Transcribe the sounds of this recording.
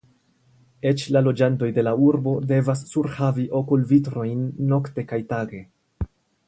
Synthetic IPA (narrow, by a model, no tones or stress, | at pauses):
e̞t͡ʃlalo̞d͡ʒanto̞jde̞lauɾbo̞de̞vasːuɾhaviʔo̞kulvitɾo̞jnːo̞kte̞kajtaɡe̞